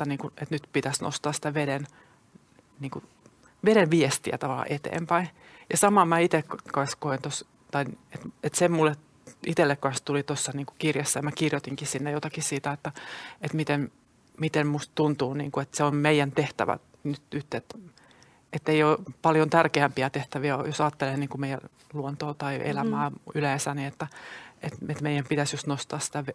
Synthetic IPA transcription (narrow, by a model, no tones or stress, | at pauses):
t̪ːæniːŋkuet̪nyt̪pit̪æsno̰st̪ɑːssi̥t̪æʋeden | niːŋku | ʋeɾeʋʋiest̪iæ̰t̪ɑʋɑlːˑɑ̰ʔet̪ḛːmpæi | jɑsɑmɑːmæit̪ekkɑnskoint̪os | t̪ɑiet̪et̪semmulːe | it̪elːekkɑnst̪ulit̪osːɑniːŋku̥kirjesːæjɑmækirjot̪iŋkisinːejot̪ɑkissiːt̪æet̪ːæet̪mit̪en | mit̪emmust̪t̪unt̪uːnḭːŋkuet̪seommeijænt̪eht̪æ̰ʋæ̰ | nyt̪nyt̪ːet̪ | et̪ːeioːpɑljont̪ærkeæmpiæt̪eht̪æʋiæo̰josɑːt̪ːelenniːŋkumeijæ | luont̪oːt̪ɑiḛlæmæːylæːsæniet̪ːæet̪et̪meijˑæmpit̪æsjust̪nost̪ɑːsi̥t̪æʋe